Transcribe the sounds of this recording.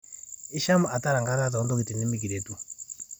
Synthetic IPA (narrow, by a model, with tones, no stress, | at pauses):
i˦ʃa˦mu˨ʔa˨ta˦ɾa˨ŋɡa˦ta˦tɔ˦ndɔ˦ki˨ti˨ni˦mi˦k̬i˨ɾe˨tu˦